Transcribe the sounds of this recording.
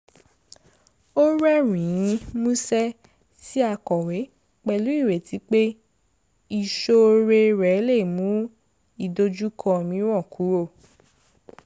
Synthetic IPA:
o˦ɾɛ˦ɾĩ˨ĩ˨˦mũ˦sɛ˦ | si˦a˧˨kɔ˨we˨˦ | k͡pɛ˧lu˨˦i˦˨ɾe˨ti˨˦k͡pe˦ | i˨ʃo˧ɾe˧ɾɛ˨˦le˦˨mũ˨˦ | i˦˨do˧d͡ʒu˦kʰɔ̃˧mĩ˨˦ɾ̃ɔ̃˦˨kʰu˨˦ɾo˦˨

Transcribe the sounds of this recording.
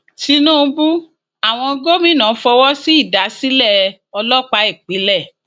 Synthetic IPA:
ti˧˦nũ˦˧bu˦ | a˦˨w̃ɔ̃˧ɡo˦mĩ˦nã˨˦fɔ˧wɔ˦si˦i˦˨da˨˦si˦lɛ˦˨˧ | ɔ˧lɔ˦k͡pa˧˦i˦˨k͡pi˨˦lɛ˦˨

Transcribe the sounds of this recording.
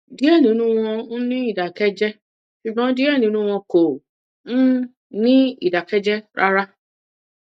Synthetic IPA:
di˦ɛ˦˨nĩ˨˦nũ˦w̃ɔ̃˧n̩˦nĩ˦i˦˨da˨kɛ˦d͡ʒɛ˦ | ʃu˨ɡ͡bɔ̃˦di˦ɛ˦˨nĩ˨˦nũ˦w̃ɔ̃˧ko˨ | n̩˦ | nĩ˦ḭ˨da˨kɛ˦d͡ʒɛ˦ɾa˦ɾa˦

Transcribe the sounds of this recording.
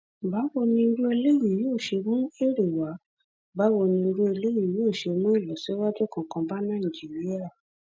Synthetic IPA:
ba˨˦wo˧˨nĩ˧o˧ɾũ˦e˧le˦ji˦˨joː˦˨ʃe˧mũ˦e˦˨ɾe˨wa˨˦ | ba˨˦wo˧˨nĩ˧o˧ɾũ˦e˧le˦ji˦˨joː˦˨ʃe˧mũ˦i˦˨lɔ˨˦se˨˦wa˦d͡ʒo˦˨kã˧kã˧ba˦nã˦˨ĩ˨d͡ʒi˨˦ɾi˦a˦˨

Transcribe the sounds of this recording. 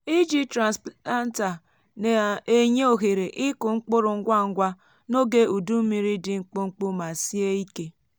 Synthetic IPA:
i˦d͡ʒi˦tɾa˨nsla˦n̩˦ta˨ | ne˨e˦ɲe˦o˨ɦe˨ɾe˨ʔɪ˦kʊ˨ŋ͡m̩˦k͡pʊ˦ɾʊ˨ŋ̩˦ɡʷa˦ŋ̩˦ɡʷa˦ | no˦ɡe˦u˨du˦m̩˦mi˨ɾi˦dɪ˨ŋ͡m̩˨k͡pʊ˦ŋ͡m̩˦k͡pʊ˦ma˨si˦e˦i˦ke˦

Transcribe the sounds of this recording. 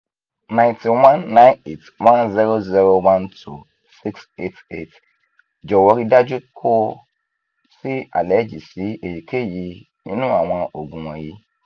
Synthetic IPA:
nã˨j̃tu˨wã˦nːã˦ne˨twã˦nzi˦ɾo˦zi˦ɾo˦wã˦ntʰṵ˨ | si˦kse˦te˦˨t | d͡ʒɔ˨wɔ˨ɾi˦da˦d͡ʒe˦kʰo˦ | si˦a̰˨lɛ˨˦d͡ʒi˨si˨˦e˨ji˨ke˦ji˧ | nĩ˦nũ˦a˨w̃ã˧ʔo˨ɡũ˨w̃ɔ̃˨ji˦

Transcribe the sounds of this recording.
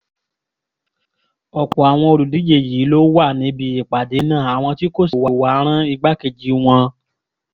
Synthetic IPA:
ɔ˨k͡pɔ˨a˨w̃ɔ̃˧o˧ɾu˨di˨˦d͡ʒe˦˨ji˨˦lo˦wa˦˨nĩ˨˧˦bi˧e˨k͡pa˨de˨˦nãː˦˨a˨w̃ɔ̃˧ti˦ko˦˨si˨wa˨wa˨˦ɾ̃ã˦i˧ɡ͡ba˦ke˧d͡ʒi˦w̃ɔ̃˧

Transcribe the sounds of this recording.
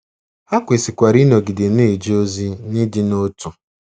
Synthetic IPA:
a˦kʷe˨si˨kʷa˨ɾi˦no˨ɡi˨de˨ne˦˨d͡ʒo˦zi˦ni˦dɪ˦no˦tʊ˨

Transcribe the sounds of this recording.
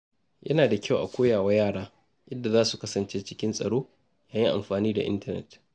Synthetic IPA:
jʔɐ̰˦naː˨da˨kʲa˦wʔa˨kʷoː˦jaː˨wa˦jaː˦˨ɽaː˦ | ʔɪ˦nda˨zaː˦su˨kɐ˦sɐ˨nt͡ʃeː˦t͡ʃɪ̥˦kʲɪ˦nsʼɐ̰˨ɽoː˦ | jaː˦jɪ˦ŋʔa̰˨mɸaː˨niː˦da̰˨ʔɪ̰˦ntɐ˦nɛ̰˨t

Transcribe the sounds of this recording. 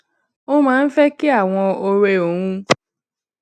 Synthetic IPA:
o˦mã˨˦n̩˦fɛ˦ki˦a˦˨ŋ̃ʷɔ˧o˦ɾe˧o˨ŋʷũ˧

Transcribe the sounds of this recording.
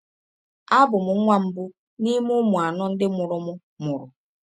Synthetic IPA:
a˦bʊ˨mʊ˨˦ŋʷa˦m̩˦bʊ˦ | ni˦mʊ˦mʊ˨a˨nɔ˦n̩˦dɪ˦mʊ˨ɾʊ˨mʊ˦ | mʊ˨ɾʊ˨

